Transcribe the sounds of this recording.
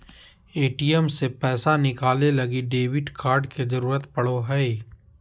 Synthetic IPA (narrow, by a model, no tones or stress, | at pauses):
eːʈijɛmsepɛːsanɪkaːlelɐɡiɖeːʋɪʈkaːɾɖkezɐɾuːɾət̪pɐɽoɦɛi